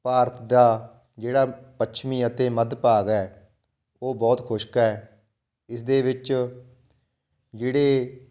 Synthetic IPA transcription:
paːɾt̪ʰd̪aː | d͡ʒeːɽaːpətːʃʰmĩːət̪eːməd̪paːɡɛː | oːbɔːt̪kʰʊʃkːɛː | ɪsd̪eːʋɪt͡ʃ | d͡ʒeːɽeː

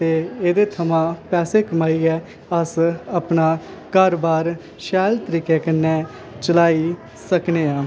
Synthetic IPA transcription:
t̪eːeːd̪eːt̪ʰəmãːpɛːseːkəmaːiːɛː | əsəpnaː | kəɾbaːɾ | ʃɛːlt̪əɾiːkeːkənːɛ̃ː | t͡ʃəlaːiː | səkneːãː

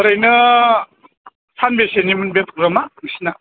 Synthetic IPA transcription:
ɯɾajnɯ | pʰanbesenimɯnbet̪ʰuɾɯmaɯŋsina

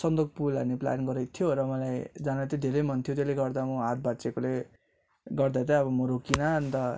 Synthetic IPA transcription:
sʌnd̪ok̚pulʌnepla̰nɡʌɾʌjt̪ʰijoɾʌmʌlajd͡zanat̪jid̪ʱeɾʌjmʌnt̪ʰjot̪eleɡʌrd̪amuɦat̪̚bat͡sekole | ɡʌrd̪at̪ʌʌβʌmoɾokinʌʌnt̪ʌ

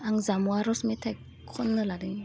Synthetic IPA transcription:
aŋzamuaɾɔsmetʰaj | kʰɔnːɯladɯŋi

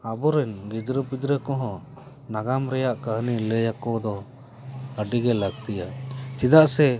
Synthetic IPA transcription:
abɔɾɛnɡid̪ɾəpid̪ɾɛkɔɦɔ̃ | naɡamɾɛjaʔkəɦnilɛjakɔd̪ɔ | əɖiɡɛlaɡt̪ijat͡ʃid̪aʔsɛ

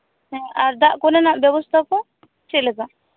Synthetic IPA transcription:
ɦɛ̃aɾd̪aʔkɔnɛnabjɔbɔst̪ʰakɔ | t͡ʃɛlɛba

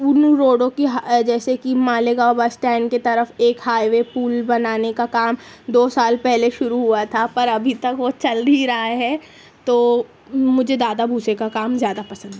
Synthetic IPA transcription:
unuɾoːɽõkiɦad͡ʒɛːsekimãːleɡaːbasʈɛ̃ːɳket̪ɐɾəfeːkɦaːjʋepuːlbɐnaːnekakaːmd̪oːsaːlpɛɦleʃʊɾuɦuat̪ʰapɐɾɐbʱit̪ɐkʋot͡ʃɐld̪ʱiɾɐɦaɦɛ̃ | t̪oː | mʊd͡ʒʱed̪aːd̪abʱuːsekakaːmzjaːd̪apɐsə̃nd̪ɦɛ

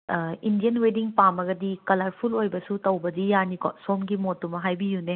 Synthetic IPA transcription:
indijɐnwediŋpamɐɡɐdikɐlɐɾpʰulojbɐsutɐwbɐdijanikɔ̰somɡimotːumɐɦajbijune

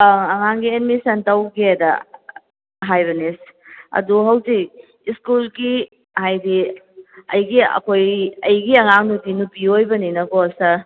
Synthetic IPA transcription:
ɐŋaŋɡienmisɐntawɡiedɐ | ɦajβɐnisɐ̰duɦawzi | iskulɡi | hajdi | ɐ̰jɡiɐ̰kʰojɐjɡiɐŋaŋnutinupiojbɐninɐɡɔsɐ

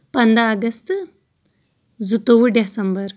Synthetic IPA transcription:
pɐnd̪aːɡɐst̪ | zut̪oʋuɖesɐmbɐɾ

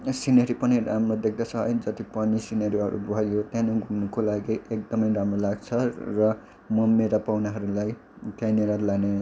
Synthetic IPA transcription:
sinʌɾipʌniramrod̪ekʰd̪at͡sʰʌɦjd͡zʌt̪ipʌnisinʌɾiʌɾṵbʱʌjot̪jãnoɡʱumnukolaɡiʔek̚d̪ʌmʌjɾamrolaɡt͡sʰʌrʌ | mʌmeɾapawnaɦʌɾulaj | t̪jãnelalane

